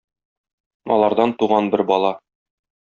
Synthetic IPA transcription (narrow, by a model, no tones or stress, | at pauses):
ɒ̰lˠɑɾd̪ɑnt̪uʁɑnbɘɾbɒlˠɑ